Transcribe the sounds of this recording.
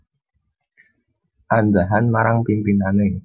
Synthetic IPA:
ʔandaɦanmaɾaŋpimpinane

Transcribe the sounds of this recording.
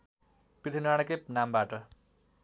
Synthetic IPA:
pit̪ʰinaɽ̃ʌkepnambaʈʌ

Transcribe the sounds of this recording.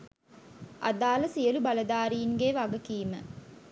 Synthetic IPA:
ʔa̰d̪aːlɐsijəlubalɐd̪aːɾiːŋɡeːʋaɡɐkiːmə

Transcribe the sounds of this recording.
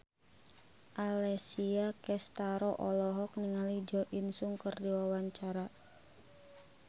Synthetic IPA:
ʔalɛsiakɛst̪aɾɔʔɔlɔɦɔk̚niŋalid͡ʒɔʔinsuŋkərdiwawaɲt͡ʃaɾa

